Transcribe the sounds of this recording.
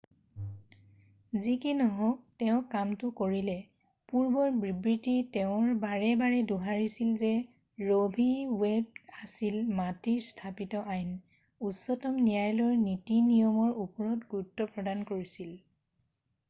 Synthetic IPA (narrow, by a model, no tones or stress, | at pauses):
zikinɔɦɔtɛʊ̃kamtʊkoɹilɛ | puɹbɔɹbɹibɹitiɹtɛʊ̃ɹbaɹɛbaɹɛduɦaɹisilzɛ | ɹobʱiweb̚asilmatiɹstʰapitɔʔajn | usɔtɔmnijajlɔɹnitinijɔmɔɹupɔɹɔtɡuɹutːɔpɹɔdankoɹisil